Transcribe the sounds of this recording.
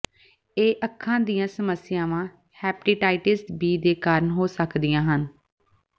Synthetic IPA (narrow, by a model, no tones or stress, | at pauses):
eːʔəkʰːãːd̪ijãːsəməsːɪjãːʋãː | hɛːpʈiːʈaːɪʈɪsʈbiːd̪eːkaːɾənɦoːsəkd̪ijãːɦən